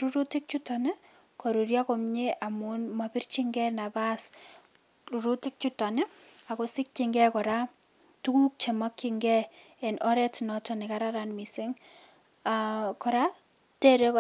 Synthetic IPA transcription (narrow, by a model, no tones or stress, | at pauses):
ɾuɾutik̚t͡ʃutɔne | koɾuɾjakɔmɲeʔamunmapɪrt͡ʃiŋɡɛnabas | ɾuɾutik̚t͡ʃutaneakosɪk̚t͡ʃiŋɡɛkɔɾa | tukuk̚t͡ʃemakːiŋɡɛ | ɛnʔɔɾɛtnɔtɔnikaɾaɾanmiseŋ | akɔɾa | tɛɾek